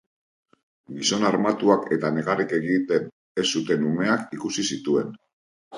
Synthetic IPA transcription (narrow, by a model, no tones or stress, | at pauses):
ɡiso̞naɾmat̪uake̞t̪ane̞ɣarike̞ɣit̪e̞n | e̞sut̪e̞nume̞akikusisit̪ue̞n